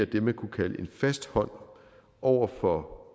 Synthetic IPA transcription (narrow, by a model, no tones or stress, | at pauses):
æd̥emekʰukʰæləʔe̝nfæsd̥hɒ̽n̰ | ʔɒʊ̰ɐfɒ̽